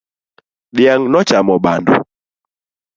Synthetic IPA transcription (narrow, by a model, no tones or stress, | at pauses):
ɗiaŋnɔt͡ʃamɔɓandṵ